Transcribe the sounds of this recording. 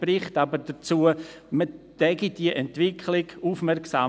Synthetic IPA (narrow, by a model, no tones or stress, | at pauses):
prɪχtabəɾd̥ət͡suːə | məd̥ɛɡid̥iəʔɛntʋɪkʰlɪɡuːfmɛɾksaː